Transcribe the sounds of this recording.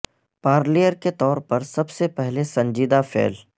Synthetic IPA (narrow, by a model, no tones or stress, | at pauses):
paːɾlijəɾket̪ɔːɾpɐɾsɐbsepɛɦlesɐ̃nd͡ʒiːd̪afḛːl